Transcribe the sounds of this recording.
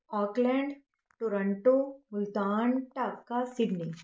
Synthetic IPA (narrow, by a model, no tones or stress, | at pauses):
ɔːklɛ̃ːɳɖ | ʈoːɾə̃ɳʈomʊlt̪aːnʈaːkːasɪɖni